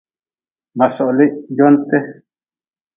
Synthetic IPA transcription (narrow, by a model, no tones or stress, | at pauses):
masoʔliʔjont̪e